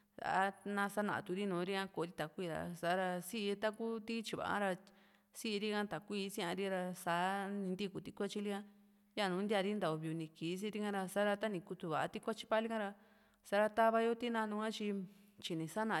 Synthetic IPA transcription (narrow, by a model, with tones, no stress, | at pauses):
sa̰˨a˦nã˧sa˦nã̰˨a̰˨t̪u˧ɾi˦nũː˨˦ɾi˦ã˦ko˧˨˧ɾi˦t̪a˨kʷi˧ɾa̰˧sa˨˦ɾa˧si˦ʔt̪a˦ku˦t̪i˦t͡ʃi˧βa̰˨ʔa̰˦ɾa˧ | si˦ʔɾi˦kã˦t̪a˨kʷiː˦˧˦sĩ˦ã˧ɾi˦ɾa˧saː˨˦nĩ˧nd̪i˦ku˧t̪i˧˦ku˦a˧t͡ʃi˦li˦ã˦ | ja˦˨nũː˨˦nd̪ʲa˧ɾi˦nd̪a˨o˧βi˧u˧nĩ˧ki˨˦s̬i˦˧ɾi˦kã˦˧ɾa˧sa˦ɾa˧t̪a˦nĩ˧ku˧t̪u˧βa̰˨a̰˧t̪i˦kʷa˦t͡ʃi̥˧˦pa˦li˦kã˦ɾa˧ | sa˧˦ɾa˧t̪a˦βa˧jo˦t̪i˦nã˧nũ˧kã˦t͡ʃi˧ | t͡ʃi˧nĩ˨sa˦nã˨˧˨